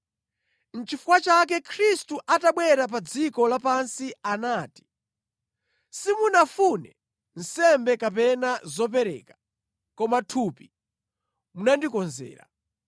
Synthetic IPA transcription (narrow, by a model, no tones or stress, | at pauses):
n̩t͡ʃifukwat͡ʃak̬ɛkʰɾistuʔataɓwɛɾap̬ad͡zikɔlapansianaːti̥ | simunafunɛ | n̩sɛmbɛkap̬ɛnazɔp̬ɛɾɛ̰ːkḁ | kɔmatʰuːpi | munandikɔnzɛ̰ːɾa̰